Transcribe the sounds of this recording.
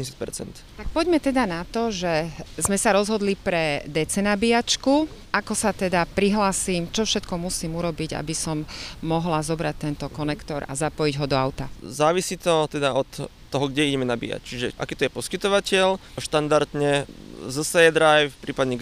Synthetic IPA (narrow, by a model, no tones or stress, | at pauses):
ɲsit̪pɛ̰ɾt͡sɛ̰nt̪t̪ak̚pɔɟmɛt̪ɛd̪anat̪ɔʒɛzmɛsaɾɔzɦɔd̪lipɾɛd̪ɛt͡sɛnabiat͡ʃkuʔakɔsat̪ɛd̪apɾiɦlaːsiːmt͡ʃɔfʃɛt̪kɔmusiːmuɾɔbiɟa̰bisɔmːɔɦlazɔbɾac̚t̪ɛnt̪ɔkɔnɛkt̪ɔɾa̰zapɔjiɟɦɔd̪ɔaʊt̪azaːʋisiːt̪ɔt̪ɛd̪aɔt̪ː | ɔɦɔɡɟɛiɟɛmɛnabḭja̰ct͡ʃiʒɛʔa̰kiːt̪ɔjɛpɔskit̪ɔʋacɪɛlʃt̪and̪aɾt̪ɲɛzəsɛjɛd̪ɾajffpɾiːpad̪ɲɛ